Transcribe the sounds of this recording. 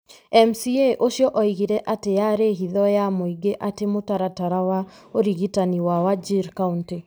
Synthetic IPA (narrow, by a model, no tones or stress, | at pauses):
ɛmsieʔoʃjɔʔɔiɣiɾɛʔatejaɾeɦiðɔjamoiɡeʔatemotaɾataɾawa | oɾiɣitaniwawad͡ʒiɾkaunte